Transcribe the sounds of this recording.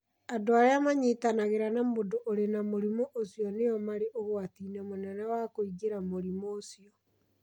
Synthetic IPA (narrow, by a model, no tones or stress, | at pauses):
adoaɾeamaɲetanaɣeɾanamodoʔoɾenamoɾimoʔosijɔneɔmaɾeʔoɣoatinamonɛnɛwakoiɡeɾamoɾimoːsiɔ